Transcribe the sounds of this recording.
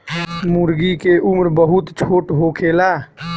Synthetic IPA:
muɾɡikeʔʊmɾbəɦʊt̪t͡ʃʰoːʈɦoːkʰeːlaː

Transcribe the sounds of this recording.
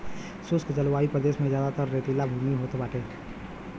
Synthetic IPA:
sʊskd͡ʒəlwaːipɾəd̪eːsmẽzjaːd̪at̪əɾːeːt̪ilabʱuːmiɦoːt̪baːʈʰẽː

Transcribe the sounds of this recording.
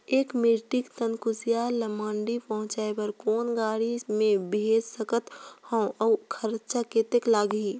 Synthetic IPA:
eːkmɪʈikt̪ənkʊsijalɐmãːɳɖipɐɦʊ̃t͡ʃaːebəɾkoːnɡaːɽimẽbeːd͡ʒsəkət̪hɔ̃ɔkʰɐɾt͡ʃakeːt̪eklaːɡiː

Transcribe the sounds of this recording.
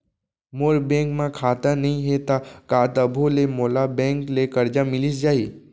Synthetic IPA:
moɾbẽŋkmãkʰaːt̪ənəɦĩɦet̪akaːt̪əbʱolemoːlabẽŋklekəɾd͡ʒamɪlisd͡ʒaːi

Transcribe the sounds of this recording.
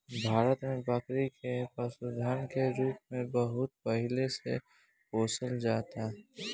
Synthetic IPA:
bʱaːɾət̪mẽbakɾikepəsʊd̪ʱaːnkeɾuːp̚mẽbəɦʊt̪pɐɦɪlesḛ | poːsəld͡ʒaːt̪aɦɛ

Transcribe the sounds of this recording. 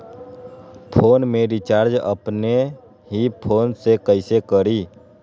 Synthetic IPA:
pʰoːnmẽɾɪt͡ʃaːɾd͡ʒə̰pne | ɦipʰoːnsekəɪsekəɾiː

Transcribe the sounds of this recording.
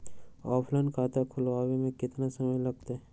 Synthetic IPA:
ɔːpʰlankʰaːt̪akʰʊlʋaːwemẽkɪt̪nasɐməjlɐɡ̚t̪e

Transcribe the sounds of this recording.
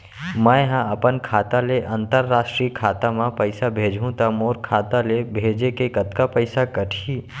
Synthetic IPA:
mãːɦãɐpənkʰaːt̪aleʔə̃nt̪əɾːaːʃʈɾiːkʰaːt̪amãpəɪsabʱeːd͡ʒʱũt̪amoːɾkʰaːt̪alebʱeːd͡ʒekekət̪kapəɪsakəʈʰiː

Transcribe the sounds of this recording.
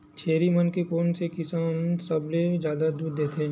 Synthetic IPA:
t͡ʃʰeːɾimənkepoːnsekɪsaːnsɐbled͡ʒjaːd̪ad̪uːɾd̪eːt̪ʰẽ

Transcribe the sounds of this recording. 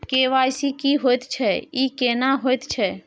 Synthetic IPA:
keʋajsikiɦojt̪t͡ʃʰɛikeːnaɦojt̪t͡ʃʰɛ

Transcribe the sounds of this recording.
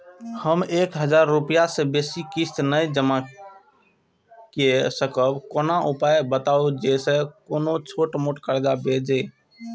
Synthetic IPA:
həmeːkɦəd͡ʒaːɾːupijasebeːsikist̪nəjd͡ʒəma | kesəkəbkoːnaʔʊpajbət̪aod͡ʒesekoːnot͡ʃʰoːʈmoːʈkəɾd͡ʒabed͡ʒe

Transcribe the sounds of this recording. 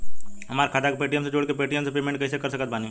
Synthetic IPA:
ɦɐmaːɾekʰaːd̪akepeːʈijəmsed͡ʒoːɽkepeːʈijəmsepeːmẽɳʈkɐsekɐɾsɐkət̪̚baːni

